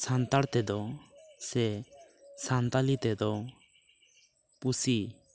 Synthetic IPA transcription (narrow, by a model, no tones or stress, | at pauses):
sant̪aɽt̪ɛd̪ɔsɛ | sant̪alit̪ɛd̪ɔ | pusi